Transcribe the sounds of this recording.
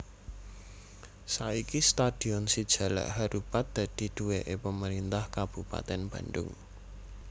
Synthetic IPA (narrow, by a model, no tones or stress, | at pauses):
saikist̪ad̪̥i̤ɔnsid̥ʒ̥ä̤la̰ʔhaɾupat̪̚d̪̥ä̤d̪̥i̤d̪̥uweʔepəməɾint̪ahkab̥ṳpa̰t̪ɛnb̥ä̤nɖʊ̰ŋ